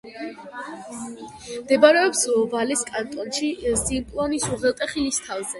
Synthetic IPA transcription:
md̪ɛbaɾɛɔpslɔvaliskʼant̪ʼɔnʃizimpʼlˠɔnisuʁɛlˠt̪ʼɛχilist̪ʰavzɛ

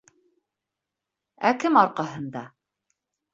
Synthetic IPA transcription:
ækɘmɑɾqɑɦɤ̆nd̪ɑ

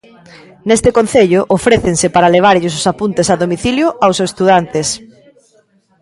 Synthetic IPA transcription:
nest̪ɪkon̟θeʎʊʔofɾeθeŋsɪpaɾaleβ̞aɾʎɪs̬ʊsapunt̪esaðomiθiljʊʔawsest̪uðant̪es

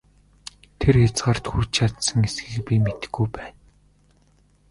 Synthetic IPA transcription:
t̪ʰerxat͡sɢaːr̥t̪xur̥t͡ɕʰat̪sə̆ŋesɡɘ̆kpʲimet̪ɘ̥̆ɡujpæːn

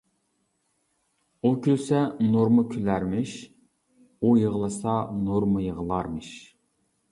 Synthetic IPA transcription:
ukʲʰølsɛnoɾməkʲʰylæɾmɪʃ | ujəʁəlˠɨsɑnoɾməjəʁəlˠɑɾmɨʃ

